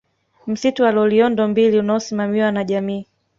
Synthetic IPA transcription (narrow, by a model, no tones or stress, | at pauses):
m̩situwalɔliɔndɔmbiliunaɔsimamiwanaʄamiː